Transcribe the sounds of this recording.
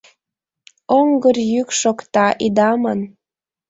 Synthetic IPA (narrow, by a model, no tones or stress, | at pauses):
oŋɡərjykʃokt̪ɑʔid̪ɑmən